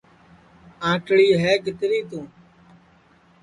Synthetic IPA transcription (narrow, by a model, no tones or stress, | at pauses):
ãːʈɽiːɦɛːkɪt̪ɾiːt̪ũː